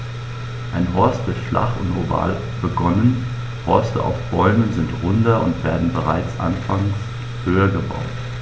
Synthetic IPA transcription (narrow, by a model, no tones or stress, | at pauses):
ʔaɪnɦɔɐstv̥ɪtflʔa̰χʊ̰ntʁoba̰ːl | b̥əɡɔnən | hɔɐstə̰ʔa̰ʊfb̥ɔlmənzɪntʁʊndɐʊ̰ntv̥eːɐdn̩bəʁaɪt͡sʔa̰nfaŋs | høːɐɡəba̰ʊt